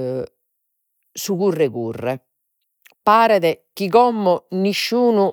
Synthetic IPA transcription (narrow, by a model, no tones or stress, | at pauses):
suɣurːɛɣurːɛ | paːɾɛðɛk̟iɣɔmːɔniʃːuːnu